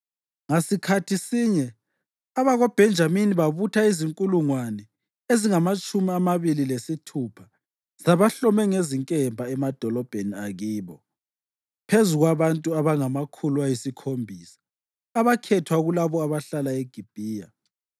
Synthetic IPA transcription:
ŋasikʰatʰisiɲɛ | aβaɣɔb̥ʱɛnd͡ʒʱaminiβaβutʰaiziŋkʼuluŋwanɛ | eziŋamat͡ʃʼumiamaβililesitʰupʰḁ | z̥aβaɬɔmɛŋeziŋkʼɛmbʱaɛmad̥ʱɔlɔb̥ʱeniaɣiːβɔ | pʰezuɣwaβantʼuaβaŋamakʰuluajisikʰombʱisḁː | βakʰɛtʰwaɣulaβɔaβaɬalaeɡ̥ʱib̥ʱiːja̰

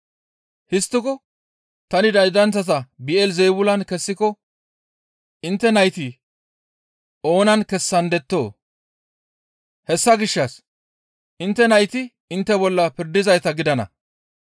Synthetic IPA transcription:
hɪst̪ːɪkɔ | t̪ɐnɪd̪ɐjd̪ɐnt͡sːɐt̪ɐbɪʔɛlzɛjbʊlɐnkɛsːɪkɔ | ɪnt̪ːɛnɐjt̪ɪ | o̞ːnɐnkɛsːɐnd̪ɛt̪ːo̞ː | hɛsːɐɡɪʃːɐs | ʔɪnt̪ːɛnɐjt̪ɪ | ɪnt̪ːɛbɔlːɐpɪɾd̪ɪzɐjt̪ɐɡɪd̪ɐnɐ̰

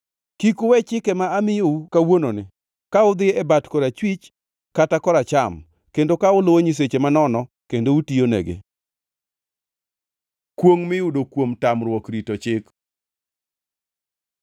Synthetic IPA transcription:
kikʊwɛt͡ʃɪkɛmaamɪjoukawononɪ | kaʊd̪ɪɛbatkɔɾat͡ʃwit͡ʃ | katakɔɾat͡ʃam | kendokaʊlowoɲis̬et͡ʃemanɔnɔ | kendoutijonḛɡɪ̰ | kwoŋmɪʊdokwomtamɾwɔkɾitot͡ʃɪk

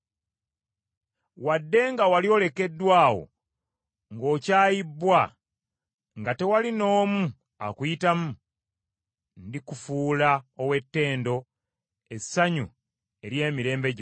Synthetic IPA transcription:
wadːe̞ŋɡawalio̞le̞ke̞dːwaːwo̞̰ | ŋɡo̞ːcaːjibːwa | ŋɡate̞walino̞ːmu | a̰kujitamu | ndikufuːlaowe̞tːe̞ːndo̞ | e̞sːaɲṵ | e̞ɾje̞ːmiɾe̞ːmbe̞ɟ

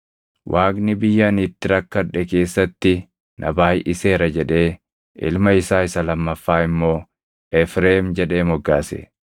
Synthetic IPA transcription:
wʔaːɡnɪbɪjːɐnit̪ːɪɾɐkːɐᶑɛke̞ːsːɐt̪ːɪ | nʔɐ̰baːjʔɪseːɾɐd͡ʒɛᶑe̞ː | ʔɪ̰lmɐɪsaːɪsɐlɐmːɐfːaːɪmːo̞ː | ʔɛfɾeːmd͡ʒɛᶑe̞ːmɔɡːaːsɛ̰

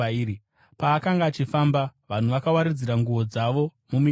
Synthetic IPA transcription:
ɾi | paːkaŋɡaːt͡ʃifambaʋan̤uʋakawaɾid͡ziɾaŋɡuʋo̞d͡zaʋo̞ | mumi

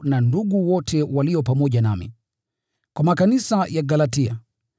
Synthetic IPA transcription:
nanduɠuwɔtʰɛwaliɔpamɔʄanamḭ | kwamakanisajaɡalatia̰

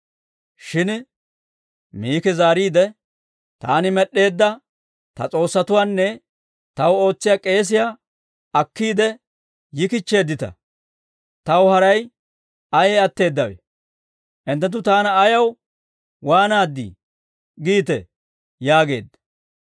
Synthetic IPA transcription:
ʃɪn | miːkɛzaːɾiːd̪ɛ | t̪a̰ːnɪmɛɗːe̞ːd̪ːɐ | t̪ɐ̰t͡sʼo̞ːsːɐt̪ʊwaːnːɛ | t̪ɐwo̞ːt͡sːɪjakʼe̞ːs̬ɪja | ɐkːiːd̪ɛ | jɪkɪt͡ʃːe̞ːd̪ːɪt̪ɐ̰ | t̪ɐwhɐɾɐj | ɐjɛɐt̪ːe̞ːd̪ːɐwḛ | ʔɪnt̪̬ːɛt̪̬ːʊt̪aːnɐːjɐw | waːnaːd̪ːḭ | ɡiːt̪ɛ̰ | jaːɡe̞̰ːd̪ːɐ̥

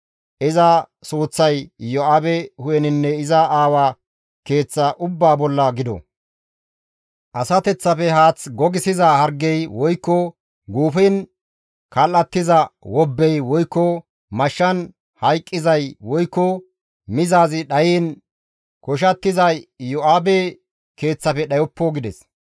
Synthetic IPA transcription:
ʔɪzɐsuːt͡sːɐjjɔɐbɛhʊjɛnɪnːɛɪzɐaːwaː | ke̞ːt͡sːɐʔʊbːaːbɔlːɐɡɪd̪ɔ̰ | ʔɐsɐt̪ɛt͡sːɐfɛɦaːt͡sɡɔɡɪsɪzɐhɐɾɡːɛjwɔjkːɔ | ɡuːfɛn | kɐlːɐt̪ːɪzɐwɔbːɛjwɔjkːɔ | mɐʃːɐn | hɐjkʼːɪzɐjwɔjkːɔ | mɪzaːzɪɗɐjiːn | kɔʃ̬ɐt̪ːɪzɐjjɔʔaːbeː | ke̞ːt͡sːɐfɛɗɐjɔpːɔɡɪd̪ɛs

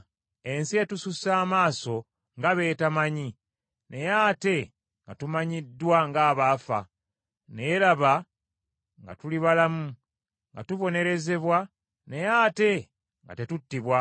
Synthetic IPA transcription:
e̞nsie̞tususaːmaːso̞ | ŋɡaβe̞ːtamaɲi | ne̞jate̞ | ŋɡatumaɲidːwaŋɡaːβaːfa̰ | ne̞laβa | ŋɡa̰tuliβalamu | ŋɡa̰tuβo̞ne̞ɾe̞ze̞βwa | ne̞jaːte̞ | ŋɡa̰te̞tutːiβwa

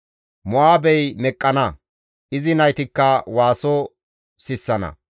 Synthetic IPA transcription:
mʊʔaːbɛjmɛkʼːɐnɐ | ʔɪzɪnɐjt̪ɪkːɐwaːsɔ | sɪsːɐnɐ̰

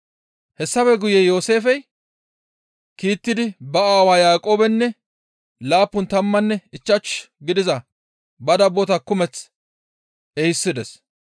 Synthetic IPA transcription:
hɛsːɐfɛɡʊjɛjo̞ːse̞ːfɛj | kiːt̪ːɪd̪ɪbɐaːwaːjaːkʼoːbɛnːɛ | laːpːʊnt̪ɐmːɐnːɛɪt͡ʃːɐt͡ʃ | ɡɪd̪ɪzɐ | bɐd̪ɐbot̪ɐkːʊmɛt͡s | ɛjɪsːɪd̪ɛs

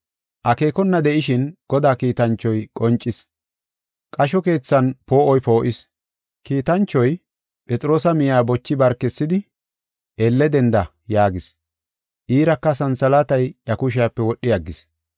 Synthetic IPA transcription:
ʔɐke̞ːkɔnːɐd̪ɛʔɪʃɪnɡ̥ɔd̪aːkiːt̪ɐnt͡ʃːɔjkʼɔnt͡ʃʼːɪs | kʼɐʃɔke̞ːt͡sːɐnpo̞ːʔɔjpo̞ːʔɪs | kiːt̪ɐnt͡ʃːɔj | pʼɛt͡sʼɪɾo̞ːsɐmɪjaːbɔt͡ʃːɪbɐɾkːɛsːɪd̪ɪ | ʔelːɛd̪ɛnd̪ɐ | jaːɡɪs | ʔiːɾɐkːɐsɐnsɐlat̪ɐjʔɐkʊʃ̬ɪjɐpːɛwɔɗːɪjɐɡːɪs

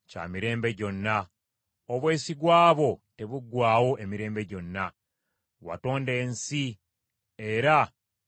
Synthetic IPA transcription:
ca̰miɾe̞ːmbe̞ɟo̞nːa | oβwe̞ːsiɡwaːβo̞te̞βuɡwaːwo̞ʔe̞miɾe̞ːmbe̞ɟo̞nːa | wa̰to̞ːnde̞ːnsi | e̞ɾa

